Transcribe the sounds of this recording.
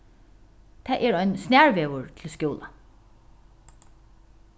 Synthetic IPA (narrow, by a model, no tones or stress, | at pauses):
t̪ʰæʔɛɹœʏnsnæːɹʋeːʋəɹt̪ʰɪlskjoːla